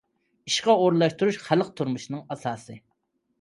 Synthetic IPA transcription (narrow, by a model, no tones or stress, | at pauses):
iʃqɑoɾlˠɑʃt̪uɾuʃχælˠq̚t̪ʰuɾmuʃnɨŋɑsɑːsɨ